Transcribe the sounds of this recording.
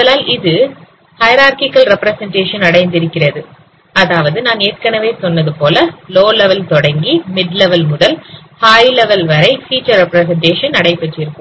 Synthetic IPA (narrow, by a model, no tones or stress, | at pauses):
mɔðɐlaːlɪðɯ | hɐjɐɾaːɾkɪkːɐlɾɛpɾɐsɛɳʈeːʂɐnɐɽɐɪnd̪ɪɾɯkːɪrɐðɯ | ɐðaːʋɐðɯnaːneːrkɐnɐʋeːsɔnːɐðɯpoːlɐloːlɛʋɐlt̪ɔɽɐŋɡimɪɖlɛʋɐlmʊɽɐlhaːjlɛʋɐlʋɐɾɐɪfiːt͡ʃːɐɾɾɛpɾɐsɛɳʈeːʂɐnɐɽɐɪpːɛʈːɪɾɯkːɯmm